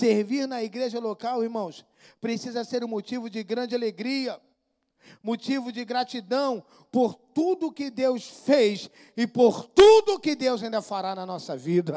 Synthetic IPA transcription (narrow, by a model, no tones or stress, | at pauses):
seɾviɾnɐiɡɾeʒɐlokawiɾmɐ̃w̃s | pɾesizɐseɾũmot͡ʃivʊd͡ʒɪɡɾɐ̃d͡ʒɪaleɡɾiɐ | mot͡ʃivʊd͡ʒɪɡɾat͡ʃid̪ɐ̃w̃ | poɾt̪ud̪ʊːkɪd̪ewsfejs | ɪpoɾt̪ud̪ʊːkɪd̪ewzaĩnd̪ɐfaɾanɐnɔsɐvid̪ɐ